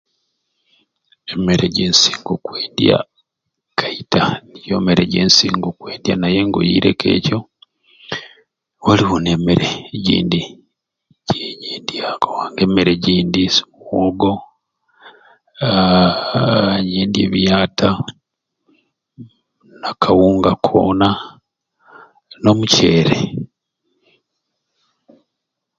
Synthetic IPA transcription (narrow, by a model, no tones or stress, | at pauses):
emeɾeɟeːnsi̥ːŋɡokweːndja̰ | kʰaitanijo̞̰ːmeɾeɟeːnsiːŋɡokweːdjanajeŋɡo̰jḭɾe̞̰kḛːco̞ | woliβunemeɾeɟḭːndi | ɟ̥eɲeːndijakawaːŋɡemeɾeɟiːndismuwoɡo | ɲeːndjḛβijaːtʰa | nakʰawuːŋɡakʰo̰na | no̞muce̞ːɾḛ